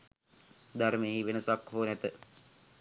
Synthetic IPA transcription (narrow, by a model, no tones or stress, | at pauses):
d̪aɾmeɦiʋenəsakɦoːnɛt̪ə